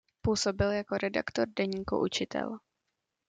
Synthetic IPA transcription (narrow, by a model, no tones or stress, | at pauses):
puːso̞bɪljako̞ɾɛda̰kt̪oɾdɛɲiːkṵʔut͡ʃɪt̪ʰɛ̰l